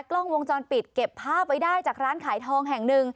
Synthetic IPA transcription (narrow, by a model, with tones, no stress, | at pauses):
klɔ˥˩ŋwo˧ŋt͡ɕɔː˧npi˨˩t̪̚ke˨˩pʰːaː˥˩p̚wa˦˥jdaː˥˩jt͡ɕaː˨˩k̚ɾaː˦˥nkʰaː˨˩˦jt̪ʰɔː˧ŋɦɛ˨˩ŋnɯ˨˧ŋ